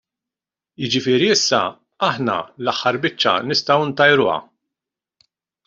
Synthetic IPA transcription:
jɪd͡ʒɪfɪːɾiɪsːɐ | ɐħnɐ̰lɐħːɐɾbɪt͡ʃːɐ̰nɪst̪ɐwɪnt̪ɐjɾʊːɐ̰

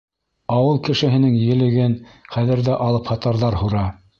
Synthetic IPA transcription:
ɑwɤlˠkɘ̆ʃɘ̆ɦɘ̆nɘŋjɘ̆lɘ̆ɡɘnχæðɘ̆ɾðæʔɑlˠɤphɑt̪ɑɾðɑɾhuɾɑ

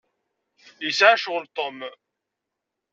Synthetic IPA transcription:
isaʕʃʁəlt̪ˤom

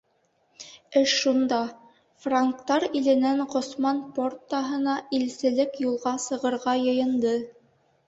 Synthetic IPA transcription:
ɘʃːund̪ɑ | fraŋkt̪ɑɾilɘ̆næŋqŏsmɑnport̪ːɑɦɤ̆nɑilsɘ̆lɘkjulˠʁɑsɤ̆ʁɤ̆ɾʁɑjɤ̆jɤ̆nd̪ɤ

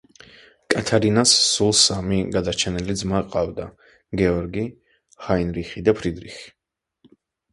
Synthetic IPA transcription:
kʼat̪ʰaɾinasːulˠsamiɡad̪at͡ʃʰɛnɛlid̪zmaqʼavd̪a | ɡɛɔɾɡi | χainɾiχid̪apʰɾid̪ɾiχi̥

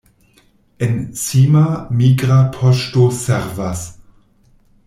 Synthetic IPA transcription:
ensimamiɡɾapʰoʃtoseɾvas

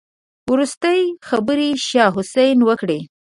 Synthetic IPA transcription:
wɾust̪əjxabəɾiʃɑɦʊsajnwəkɽe

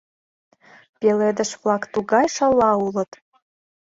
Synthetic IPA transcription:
peled̪ə̆ʃvlɑkt̪uɣɑjʃə̆lːɑulə̆t̪

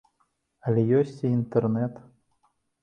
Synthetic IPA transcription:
ɐlʲɛjɔsʲt͡sʲiːnt̪ɛrnɛt̪

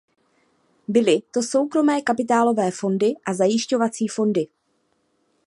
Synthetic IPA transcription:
bɪlɪt̪o̞so̞wkɾo̞mɛːkapɪt̪aːlo̞vɛːfo̞ndɪʔazajɪʃco̞vat͡siːfo̞ndɪ

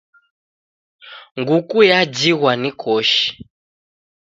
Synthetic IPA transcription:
ŋɡukujad͡ʒiɣwanikʰɔʃi̥

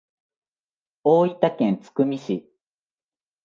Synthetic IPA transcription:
oːit̪akẽnt͡sɨ̥kɯ̟mʲiɕi

